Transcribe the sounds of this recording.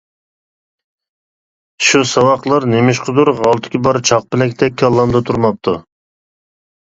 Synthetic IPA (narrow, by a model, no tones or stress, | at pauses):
ʃusɑwɑqlˠɑɾnemɪʃqʰʊd̪uɾʁɑlˠt̪ʰɪ̥kʲibɑɾt͡ʃʰɑq̚pɪlɛkʲt̪ʰɛkʲʰːɑlˠːɑmd̪ɑt̪ʰuɾmɑp̚t̪ʰu